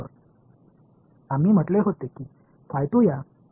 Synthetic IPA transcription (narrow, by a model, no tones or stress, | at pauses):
ə̰ɾ | am̤iːm̤əʈleɦot̪ekiː | fajt̪uja